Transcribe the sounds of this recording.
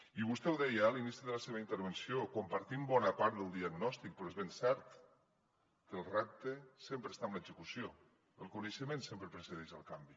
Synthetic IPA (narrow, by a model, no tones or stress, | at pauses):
iβust̪ɛwðɛjəalinisiðələseβəint̪əɾβənsiokumpəɾt̪imbɔnəpaɾt̪d̪ðəlˠd̪iaɡnɔst̪ik̚pəɾɔezβensɛɾt̪ | kəlˠrap̚t̪əsempɾəst̪aəmləzəkusjo | əlˠkunəʃəmensempɾəpɾəsəðeʃəlˠkambi